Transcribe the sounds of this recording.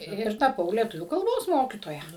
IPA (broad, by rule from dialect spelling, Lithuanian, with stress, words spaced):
ˈɪr tɐˈpɐʊ lʲiɛˈtʊʋʲuː kɐlˠˈboːs ˈmoːkʲiːtoːjɛ